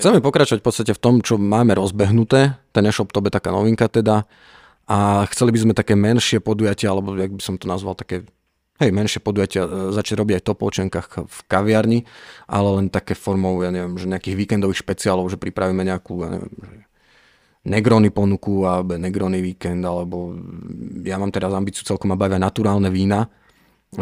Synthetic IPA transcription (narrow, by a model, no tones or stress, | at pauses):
xt͡sɛmɛpɔkɾat͡ʃɔʋac̚fpɔt̪t͡sst̪acɛft̪ɔmt͡ʃɔmaːmɛɾɔzbɛɦnut̪ɛːt̪ɛnɛʃɔp̚t̪ɔbɛt̪akaːnɔʋiŋkat̪ɛd̪a | ʔaxt͡sɛlibizmɛt̪akɛːmɛnʃɪɛpɔd̪ujacɪaalɛbɔjaɡ̚bisɔmt̪ɔnazʋalt̪ḁkɛː | ɦɛjmɛnʃɪɛpɔd̪ujacɪazat͡ʃaɟɾɔbiɟajt̪ɔplɔ̰t͡ʃɛŋkaːxfkaʋɪaɾɲiʔa̰lɛlɛnt̪akɛːfɔɾmɔʊjaɲɛʋɪjɛmʒɛɲɛakiːɣʋiːkɛnd̪ɔʋiːxʃpɛt͡sialɔʊʒɛpɾipɾaʋiːmɛɲɛakuja̰ɲɛ̰ʋɛ̰mʒɛ | nɛɡɾɔnipɔnukualbnɛɡɾɔːniʋiːkɛnd̪alɛbɔ | jamaːmt̪ɛɾazambit͡siɪut͡sɛlkɔmabaʋianat̪uɾaːlnɛʋiːna